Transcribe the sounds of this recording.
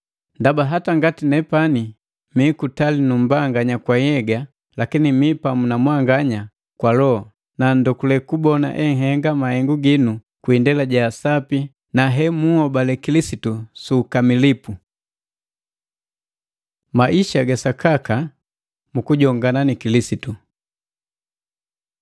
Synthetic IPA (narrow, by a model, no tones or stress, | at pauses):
ndabaɦataŋɡatinɛpani | mikutalinum̩baŋɡaɲakwajɛɡa | lakinimipamunamwaŋɡaɲa | kwalɔ | nandɔkulɛkubɔna̰ʔɛŋɦɛŋɡamahɛŋɡuɡinu | kwindɛlaɟaːsapi | naɦɛmuhɔbalɛkilisitusuːkamilipu | maʔiʃaɡasakaka | mukuɟɔŋɡananikilisitu